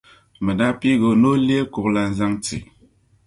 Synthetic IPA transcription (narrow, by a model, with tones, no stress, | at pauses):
mə˨da˦pi˦ɡo˨no˦li˦e˦ku˨k̚la˨n̩˦za˦ŋt͡sḭ˨